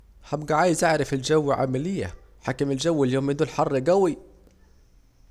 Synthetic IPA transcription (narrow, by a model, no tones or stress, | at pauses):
hæbɡæʕaːjɪzʔaʕɾɑfelʒæwːʕa̰mælɪjːæ̰ħaːkɪmeld͡ʒæwːɪljoːmːɪnd̪uːlħɑrˤːɡæwi